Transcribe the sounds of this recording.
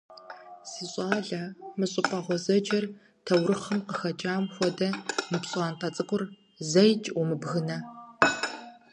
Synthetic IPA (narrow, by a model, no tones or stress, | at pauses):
siːɕʼaːɮɐmɨɕʼɪpʰʼɐʁʷɔzɐd͡ʒɐr | tʰɐwrɨχɐmqəxɐt͡ʃʼaːmxʷɔdɐmɨpɕʼaːntʰɐt͡sʼɨqʷʼʊr | zɐjt͡ʃʼumɨbɣɨnɐ